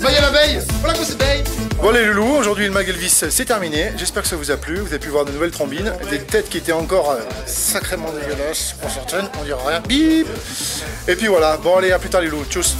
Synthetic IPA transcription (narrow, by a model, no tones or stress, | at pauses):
bajalavɛjvwalakɔ̃səbɛjvwaleləluoʒuʁd̪ɥiləmaɡɛlvissɛt̪ɛʁmineʒɛspɛʁkə̥savuzaplyvuzavepyvwaʁd̪ənuvɛlt̪χɔ̃bind̪et̪ɛt̪kʲiet̪ɛɑ̃kɔʁø | sakχemɑ̃d̪eɡjɔlɑ̃spuʁsɛʁt̪ɛnɔ̃d̪iʁaʁjɛ̃bib | epɥivwalabɔ̃aleaplyt̪aʁlelut̪us